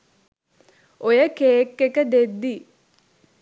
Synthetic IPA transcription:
ojəkeːkːekəd̪ed̪ːi

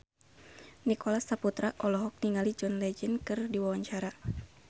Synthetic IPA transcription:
nikɔlasaput̪ɾaʔɔlɔɦɔk̚niŋalid͡ʒɔnlɛd͡ʒənkɨrdiwawaɲt͡ʃaɾa

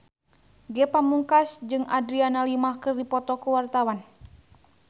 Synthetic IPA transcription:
ɡɛpamuŋkasd͡ʒɨŋadɾianalimahkɨrdipɔt̪ɔkuwart̪awan

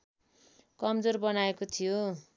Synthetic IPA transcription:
kʌmd͡zorbʌnaekot̪ʰijo

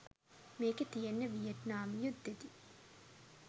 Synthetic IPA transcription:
meːket̪ijenːəʋijeʈnaːmjud̪ːed̪i

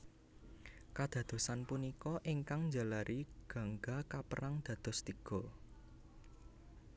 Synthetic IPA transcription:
kad̪̥ä̤d̪̥o̤sanpunikɔʔiŋkaŋɲd͡ʒa̤laɾʔiɡ̥ä̤ŋɡakapəɾaŋd̪̥ä̤d̪̥ɔ̤st̪iɡ̥ɔ̤

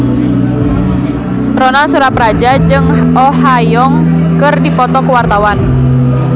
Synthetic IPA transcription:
rɔnasuɾaprad͡ʒad͡ʒɨŋɔhajɔŋ | kərdipɔt̪ɔkəwart̪awan

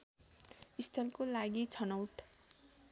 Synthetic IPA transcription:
ist̪ʰʌlkolaɡit͡sʰʌnʌwʈ

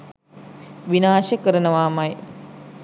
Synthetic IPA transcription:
ʋinaːʃəkəɾənəʋaːmaj

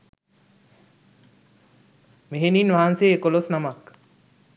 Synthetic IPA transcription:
meɦeninʋaɦanseekolosnamak

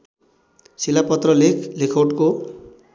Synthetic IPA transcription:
silapʌt̪rʌlekʰlekʰoʈko

